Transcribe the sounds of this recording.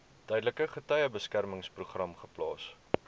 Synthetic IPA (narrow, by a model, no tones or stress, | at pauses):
tœjdələkəχətœjəbəskærməŋspruχrɐmχə̥plɑ̰ːs